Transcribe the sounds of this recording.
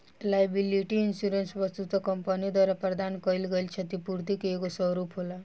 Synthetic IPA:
lajbiliʈiːnsuɾensʋəst̪ut̪ɔkɔmpənijd̪waɾapɾəd̪ankɔilɡəjlt͡ʃʰət̪ipuɾt̪ikekosɔɾupɦola

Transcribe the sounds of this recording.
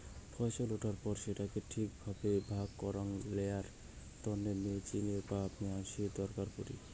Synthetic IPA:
fʰɔjʃoloʈaɾpɔɾʃeʈakeʈʰikbʱabebʱaɡkɔɾaŋlejaɾ | t̪ɔnːemet͡ɕineɾpaapniaŋʃid̪ɔɾkaɾpoɾḭ

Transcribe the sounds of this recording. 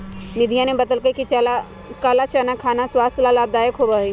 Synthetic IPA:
nɪd̪ʱijãnẽbɐd̪əlkəkit͡ʃala | kaːlat͡ʃanakʰaːnaswaːst̪ʰlalaːb̚d̪aːjəkɦobaɦi

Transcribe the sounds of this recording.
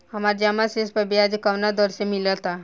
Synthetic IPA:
həməɾd͡ʒamasespəbiad͡ʒkəwnad̪ɔɾsemilət̪a

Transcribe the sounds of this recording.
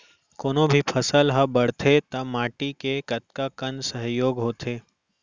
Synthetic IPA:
koːnõbʱipʰɐsəlɦəbɐɽ̤t̪ʰet̪ɐmaːʈikekɐt̪kakənsəɦjoːɡɦoːt̪ʰeː

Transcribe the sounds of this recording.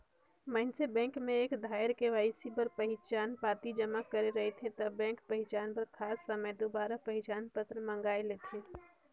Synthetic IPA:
məɦɪnsebɛ̃ːŋkmẽeːkd̪ʱaːəɾkeʋaːɪsipəɾpəɦɪt͡ʃaːnpaːt̪id͡ʒəmakəɾeɾɐɦet̪ʰẽt̪əbɛ̃ːŋkpəɦɪt͡ʃaːnpəɾkʰaːsːəməjd̪obaːɾapəɦɪt͡ʃaːnpət̪ɾəmə̃ŋɡaːelet̪ʰeː

